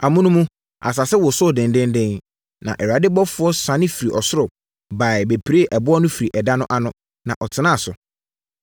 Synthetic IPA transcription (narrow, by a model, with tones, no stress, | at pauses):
a˨mʊ̃˦nʊ̃˦mũ˦ | a̰˨s̬a˨sɛ˦wɔ˨sʊ˦˨dɛ̃˨ndɛ̃˦ndɛ̃˦n | nã̰˨ʔɛ˨ɾa˨˦dɪ˦bɔ˦fʊ˦ɔ˦sã˨˦nɪ̃˦fi˨ɾi˨ʔɔ˨sʊ˦ɾʊ˨ | ba˨ɪ˨be˨pʰi˨ɾe˦˨ʔɛ˨bʊ˦ɔ˦nʊ̃˦fi˨ɾi˨ʔɛ˨da˦nʊ̃˦ʔa˦nʊ̃˦ | nã˨ʔɔ˨tʰɪ˨˦nã˦a˨sʊ̰˨